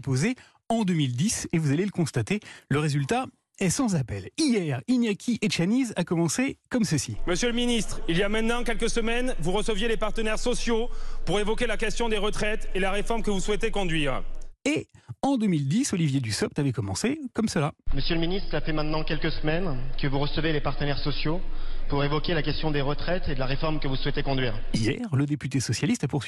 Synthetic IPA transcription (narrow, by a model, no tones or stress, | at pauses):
poze | ɑ̃d̪ømild̪isevuzaleləkɔ̃st̪at̪eləʁezylt̪a | ɛsɑ̃zapɛlijɛʁinjakʲʰiʔeʃanizakɔmɑ̃sekɔmsəsiməsjələminist̪χiljamɛ̃t̪nɑ̃kʲɛlkəsəmɛnvuʁəsəvjelepaʁt̪ənɛʁsɔsjopuʁevɔkʲelakʲɛst̪jɔ̃d̪eʁət̪χɛt̪elaʁefɔʁmkəvuswɛt̪ekɔ̃d̪ɥiːʁeɑ̃d̪əmild̪isɔlivjed̪ysɔp̚t̪avɛkɔmɑ̃sekɔmsəlaməsjələminist̪χafɛmɛ̃t̪nɑ̃kʲɛlkəsəmɛnkəvuʁəsəvelepaʁt̪ənɛʁsɔsjopuʁevɔkʲelakʲɛst̪jɔ̃d̪eʁət̪χɛt̪ed̪əlaʁefɔʁmkəvuswɛt̪ekɔ̃d̪ɥiːʁijɛ̰ʁləd̪epyt̪esɔsjalist̪apuʁsɥi